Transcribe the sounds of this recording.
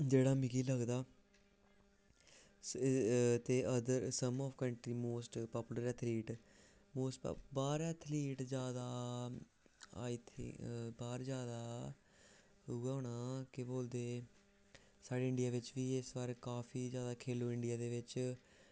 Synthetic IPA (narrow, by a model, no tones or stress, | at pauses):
d͡ʒeːɽaːmɪkiːləɡd̪aː | t̪eːʔəd̪əɾsəmɔːʋkəɳʈɾiːmoːsʈpɔːpuləɾɛt̪ʰliːʈ | moːsʈbaːɾɛːt̪ʰliːʈd͡ʒjaːd̪aː | aːiːt̪ʰːbaːɾd͡ʒjaːd̪aː | ʊɡaːnaːkɪboːld̪eː | saːɖeːɪɳɖɪjaːʋɪt͡ʃʋiːɪsʋaːɾkaːpʰiːd͡ʒjaːd̪aːkʰeːlõːɪɳɖɪjaːd̪eːʋɪt͡ʃ